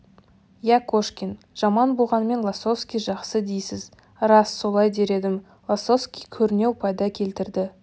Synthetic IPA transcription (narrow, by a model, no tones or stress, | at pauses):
jækʰoʃkʲin | ʒ̥ɑmɑnbo̞lˠʁɑnəme̞nlˠaso̞fskʲijʒɑqsəd̪ejsɪz | ɾɑsːo̞lˠɑjd̪e̞ɾe̞d̪ɪm | lˠaso̞skʲijkʲʰɵɾɪne̞wpʰɑjd̪ɑkʲʰe̞lt̪ɪɾd̪ɪ